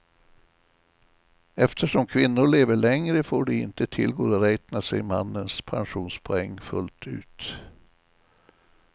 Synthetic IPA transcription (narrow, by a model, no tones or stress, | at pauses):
ɛft̪ʰəʂɔmkʰvɪnːʊɭeːvəɭɛŋɾəfoːɖɛɪ̰nt̪ət̪ʰɪlɡoːɾɔɾɛːt̪nasɛjmanːənspʰanɧuːnspʰɔɛŋːfɵ̰lt̪ʰʉ̟̰ːt̪